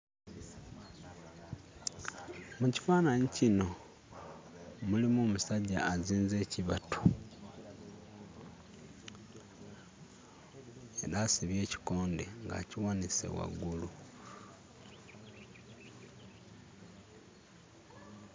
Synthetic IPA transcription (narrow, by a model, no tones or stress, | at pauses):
muci̥faːnaɲicino̞ | mulimuːmusaɟa̰ːziːnze̞ciβa̰tʰu̥ | e̞ɾaːsiβje̞ːci̥ko̞ːndḛŋɡa̰ciwanise̞̰wa̰ɡulu